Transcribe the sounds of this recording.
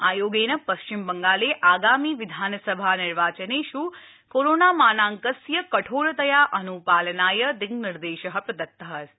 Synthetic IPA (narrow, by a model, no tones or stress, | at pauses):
aːjoːɡeːnəpɐʃt͡ʃɪmbəŋɡaːleʔaːɡaːmiːʋɪd̪ʱaːnsəbʱanɪɾʋaːt͡ʃəneʃu | koːɾoːnaːmaːnaːŋkəsjəkɐʈʰoːɭt̪əjaʔənupaːlnaːjəd̪ɪɡnɪɾd̪eːʃəɦɐpd̪ɐt̪ːəɦəɾ